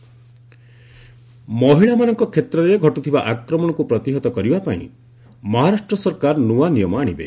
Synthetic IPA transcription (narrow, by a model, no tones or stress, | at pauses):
mɔɦiɭamanɔŋkɔkʰet̪ɾɔɾeɡʱɔʈut̪ʰibaʔakɾɔmɔɽ̃ɔkupɾɔt̪iɦɔt̪ɔkɔɾibapaḭ̃ | mɔɦaɾasʈɾɔsɔɾkaɾnuwanijɔmɔaɽ̃ibḛ